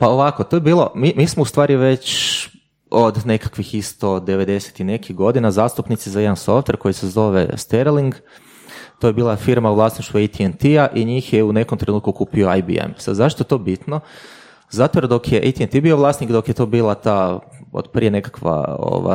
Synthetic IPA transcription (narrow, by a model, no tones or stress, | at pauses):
paoʋako̞t̪ojebiːlˠomimiːsmoust̪ʋaːɾiʋe̞t͡ɕ | od̪ne̞kḁkʋixist̪o̞d̪eʋe̞d̪e̞se̥t̪ine̞kiɣɡo̞d̪inazaːst̪upnit̪sizajed̪anso̞ft̪ʋe̞ɾko̞jisezo̞ʋḛst̪eɾliŋɡ | t̪ojebiːlˠafiɾmauʋlˠaːsniʃt̪ʋuejt̪ient̪iaʔiɲiːxjeune̞komt̪ɾe̞nuːt̪̚kukuːpio̞ajbḭḛmsa̰d̪zaʃt̪oet̪o̞bit̪no | zat̪oɾd̪o̞kjeʔḛjt̪ient̪ibio̞ʋlˠaːsnikd̪o̞kjet̪o̞biːlˠat̪ao̰d̪̥pɾiːe̞ne̞kḁkʋa̰o̰ʋa̰